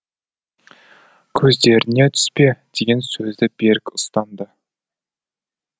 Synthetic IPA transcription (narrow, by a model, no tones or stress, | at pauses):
kʲʰɵzd̪e̞ɾɪne̞t̪ʰʏ̥spe̞d̪̥e̞ɡʲe̞nsɵzd̪ɪbe̞ɾɪkʲʊst̪ɑnd̪ə